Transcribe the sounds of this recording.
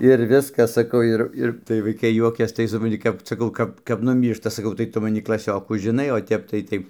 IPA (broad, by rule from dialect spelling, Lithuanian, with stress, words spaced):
ɪr ˈʋʲɪskɐs ˈsɑːkɐʊ ˈɪr ˈɪr tɐɪ ʋɐɪˈkɐɪ ˈjuɔkʲɛs tɐɪ sʊprɐnʲˈtʲɪ ˈkɐp sɐˈkɐʊ ˈkɐp kɐp nʊˈmʲiːrʃtɐ sɐˈkɐʊ tɐɪ ˈtʊ mɐˈnʲɪ klˠɐˈsʲoːkuː ʒʲɪˈnɐɪ oː ˈtʲɛp tɐɪ ˈtɐɪ